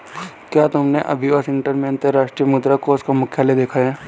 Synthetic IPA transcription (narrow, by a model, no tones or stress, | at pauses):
kjaːt̪ʊmneʔɐ̰bʱiəsɪ̃ɳʈəɾmẽɐnt̪əɾːaːʃʈɾijəmʊd̪ɾakoʊskamʊkʰjaːled̪eːkʰaɦɛ̃ː